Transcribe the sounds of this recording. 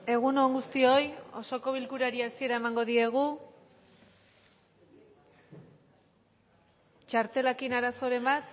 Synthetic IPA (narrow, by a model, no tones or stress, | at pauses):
e̞ɣ̞uno̞ŋɡust̪io̞jo̞̰so̞ko̞β̞ilkuɾaɾiasie̞ɾae̞maŋɡo̞ðie̞ɣ̞u | t͡ʃaɾt̪e̞lakinaɾaso̞ɾe̞mbat̪